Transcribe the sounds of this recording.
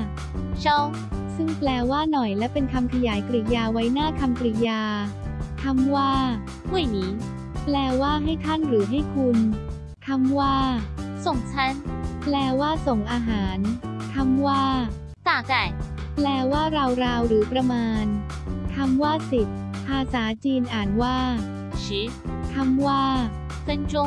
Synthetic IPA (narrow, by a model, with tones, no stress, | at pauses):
t͡ɕʰɔ˦˥˩w | sɯ˥˩ŋplɛː˧waː˥˩nɔ˨˩jlɛ˦˥wpe˧nkʰa˧mkʰa˧jaː˩˦jkɾi˨˩jaː˧wa˦˥jnaː˥˩kʰa˧mkɾi˨˩jaː˧k̪ʰa˧˥mwaː˥˩ | mu˥˩ə˨jniː˩˦ | plɛː˧waː˥˩ɦa˥˩jt̪ʰa˥˩nɾɯː˩˦ɦa˥˩jkʰu˧n | k̪ʰa˧˥mwaː˥˩so˨˩ŋt͡ɕʰa˦˥˩nplɛː˧waː˥˩so˨˩ŋʔaː˧ɦaː˩˦nt̪ʰa˧˥˩mwaː˥˩ | t̪aː˧˩ka˨˩j | plɛː˧waː˥˩ɾa˧wɾaː˧wɾɯː˩˦pɾa˧maː˧n | t̪ʰa˧˥mwaː˥˩si˨˩t̪̚ | pʰaː˧saː˩˦t͡ɕiː˧nʔaː˨˩nwaː˥˩ | t͡ɕʰi˦˥ | t̪ʰa˧˥mwaː˥˩ | pe˧nt͡ɕo˧˥